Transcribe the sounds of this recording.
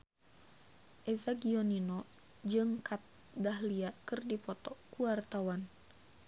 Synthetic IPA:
ʔɛzaɡiɔninɔ | d͡ʒɨŋkat̪̚ | dahliakɨrdipɔt̪ɔkuart̪awan

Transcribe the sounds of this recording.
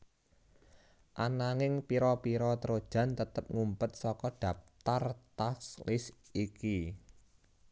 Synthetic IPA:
ʔanaŋɪŋpiɾɔpiɾɔt̪ɾod̥ʒ̥ä̤nt̪ət̪əp̚ŋumpət̪̚sɔkɔɖ̥ä̤f̚t̪art̪aslɪsiki

